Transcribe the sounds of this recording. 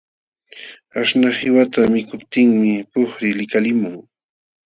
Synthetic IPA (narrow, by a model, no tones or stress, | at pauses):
aʃnahɪwat̪amɪkʊpt̪ɪŋmɪpʊχɾɪlɪkalɪmʊŋ